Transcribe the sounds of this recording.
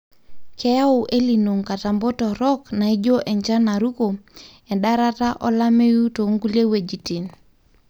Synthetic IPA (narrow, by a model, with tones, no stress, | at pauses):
kʰɛ˦ja˦ʊ˨ʔe˦li˨no˨ŋka˨ta˨mbɔ˦tɔ˨ɾɔ˦kna˨i˦d͡ʒo˦ʔɛ˨ɲd͡ʒa˦na˨ɾu˦ko˨ | ɛ˨ɗa˦ɾa˦ta˦ʔɔ˦la˦me˦ju˦to˨˦ŋɡu˦lje˦we˨d͡ʒi˨ti˨n